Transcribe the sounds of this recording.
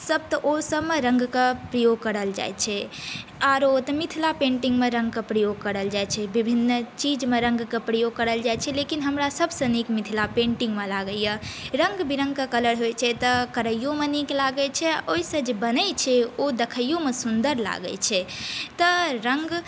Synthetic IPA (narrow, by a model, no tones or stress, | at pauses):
səb̚t̪əʔosəbmeɾə̃ŋɡkepɾəjoɡ̚kəɾəld͡ʒa̰jt͡ʃʰɛaɾot̪əmit̪ʰilapẽɳʈiŋɡmeɾə̃ŋɡkəpɾəjoɡ̚kəɾəld͡ʒajt͡ʃʰɛbibʱinːt͡ʃid͡ʒmeɾə̃ŋɡkepɾəjoɡ̚kəɾəld͡ʒajt͡ʃʰɛlekinɦəmɾasəbʱsə̃nikmit̪ʰilapẽɳʈĩŋɡmelaɡəjəɾə̃ŋɡbiɾə̃ŋɡ̚kekələɽɦojt͡ʃʰɛt̪əkəɾəjjomeniklaɡət͡ʃʰɛoisə̃d͡ʒebənət͡ʃʰɛod̪ekʰəjjomesund̪əɾla̰ɡə̰t͡ʃʰɛt̪əɾəŋɡ